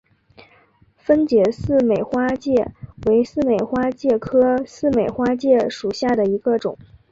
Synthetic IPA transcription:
fə˥nt͡ɕjɛ˧˩sɹ̩˥˩me˨˩ɪxwa˥t͡ɕjɛ˥˩we˧˥ɪsɹ̩˥˩me˨˩ɪxwa˥t͡ɕjɛ˥˩kʰɤ˥sɹ̩˥˩me˨˩ɪxwa˥t͡ɕjɛ˥˩ʂu˨˩ɕja˥˩d̪ə˩i˧˥ɡə˧ʈ͡ʂʊ̰˨˩˦

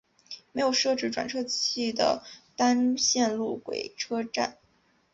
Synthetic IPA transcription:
me˧˥ɪjo˨˩ʊʂɤ˥˧ʈ͡ʂɻ̩˥˩ʈ͡ʂwa˨˩nʈ͡ʂʰɤ˥t͡ɕʰi˥˩d̪ə̰˩t̪a˥nɕjɛ˥˧nlu˥˩kwḛ˨˩ɪʈ͡ʂʰɤ˥ʈ͡ʂa̰˥˩n

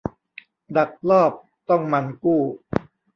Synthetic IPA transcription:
da˨˩k̚lɔː˥˩p̚ | t̪ɔ˥˩ŋma˧nkuː˥˩

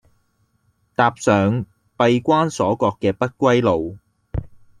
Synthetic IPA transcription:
t̪aː˧p̚sœː˨˧ŋ | pɐ˧jkʷaː˥nsɔː˨˥kɔː˧kːɛː˧pɐ˥t̚kʷɐ˥jlo˨w

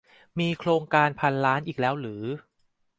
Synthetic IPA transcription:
miː˧kʰɾoː˧ŋkaː˧npʰa˧nɾaː˦˥nʔiː˨˩k̚lɛː˦˥wɾɯː˩˦

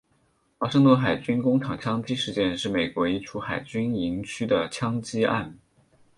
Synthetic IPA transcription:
xwa˥ʂɤ˥˧ŋt̪wə˥˩nxa˨˩ɪt͡ɕy˥nkʊ˥ŋʈ͡ʂʰɑ˨˩ŋt͡ɕʰjɑ˥ŋt͡ɕi˥ʂɻ̩˥˧t͡ɕjɛ˥˧nʂɻ̩˥˩me˨˩ɪkwɔ˧˥i˥˩ʈ͡ʂʰu˥xa˨˩ɪt͡ɕy˥ni˧˥ŋt͡ɕʰy˥d̪ə˨t͡ɕʰjɑ˥ŋt͡ɕi˥a̰˥˩n

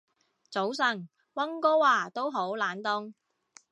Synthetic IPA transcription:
t͡so˨˥ws̬ɐ˨˩ŋ | wɐ˥ŋkɔː˥waː˨˩t̪o˥wɦo˨˥wlaː˨˥nt̪ʊ˥ŋ

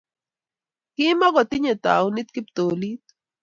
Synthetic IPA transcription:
ki˦ma˦ɡɔ˨t̪i˦ɲɛ˨t̪a̰˨uni˦t̪ki˦p̚t̪oː˨lit̪̚

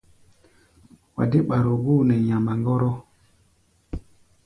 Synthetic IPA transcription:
wa̰˨de˦ɓa˨ɾo˨ɡuː˦nɛ˨ɲa˨ma˨ŋɡɔ˦ɾɔ˦

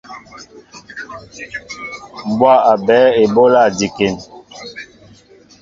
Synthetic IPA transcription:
m˨bwa˦˨a˨bɛː˨˦e˨bo˦la˦˨di˨ke˨n

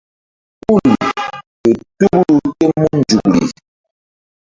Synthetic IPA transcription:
ku˦˨li˨ | e˨tu˦klu˨te˦mu˦n˦d͡ʒu˨k̚li˨

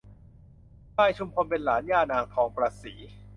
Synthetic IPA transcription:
kaː˧˥˩jt͡ɕʰu˧mkʰo˧npe˧nlaː˩˦njaː˧˩naː˧ŋkʰɔː˩˦ŋpɾaː˧siː˩˦

